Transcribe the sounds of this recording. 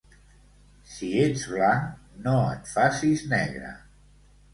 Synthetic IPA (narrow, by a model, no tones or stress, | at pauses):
sied͡zβlaŋnoət̪fasiznɛ̰ɣɾə̰